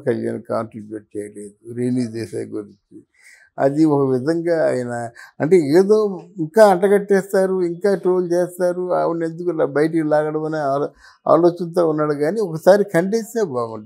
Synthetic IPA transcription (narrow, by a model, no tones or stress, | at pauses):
kɐlja̰ːnkaːnʈɾibjuːʈt͡ʃɛːjɐleːd̪uɾeːniːd͡ʒeːsa̰ːɡuɾiɲt͡ʃi | ɐ̰d̪iɔkɐʋid̪ʱɐŋɡaːa̰ːjɐnɐɐɳʈe̞ːeːd̪o̞ːiŋkaːɐɳʈɐɡɐʈːɛːst̪aːɾuiŋkaːʈɾoːlt͡ʃeːst̪aːɾuaːʋine̞nd̪ukuilaːbɐjɐʈ̬ikilaːɡɐɽɐmɐneːaː | a̰ːlo̞ːt͡ʃɐnt̪o̞ːunːaːɽuɡaːniɔkɐsaːɾikʰɐɳɖeːsaːbaːɡuɳ